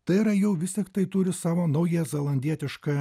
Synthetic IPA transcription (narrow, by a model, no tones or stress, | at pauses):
t̪ɐɪɪɾɐjɛʊʋʲɪstʲɪkt̪ɐɪt̪ʊɾʲɪsɑːʋoːnɐʊjɛzʲɛlˠɐnʲd̪ʲiɛt̪ʲɪʃkɑ